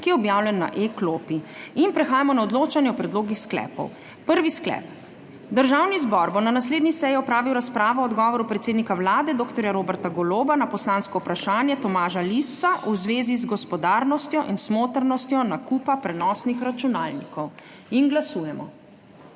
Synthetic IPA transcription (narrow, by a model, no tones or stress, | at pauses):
kijɛɔbjawlɛnːa̰ʔekloːpiinpɾɛxaːjamɔnaɔd̪loːt͡ʃanjɛɔpɾɛd̪loːɡixsklɛ̰ːpɔ̰w | pəɾʋisklɛ̰ːp | d̪əɾʒawnizbɔɾbonanasleːd̪nisɛjiɔpɾaːʋiwɾaspɾaːʋɔɔd̪ɡɔːʋɔɾupɾɛt̪seːd̪nikawlaːd̪ɛd̪oːkt̪ɔɾjaɾoːbɛɾt̪aɡɔloːbanapɔslaːnskɔupɾaʃaːnjɛt̪ɔmaːʒalist̪saʔuzʋeːzizɡɔspɔd̪aːɾnɔst̪jɔʔinsmoːt̪əɾnɔst̪jɔnakupapɾɛnɔːsnixɾat͡ʃunaːlnikɔw | inɡlasuːjɛmɔ̰